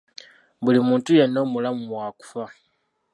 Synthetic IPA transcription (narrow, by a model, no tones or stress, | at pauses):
bulimuːntuje̞nːo̞ːmulamumwaːku̥fa